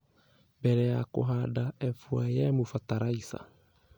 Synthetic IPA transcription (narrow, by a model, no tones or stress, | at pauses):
bɛɾɛjako̰ɦadaɛfuajɛmofataɾaisa̰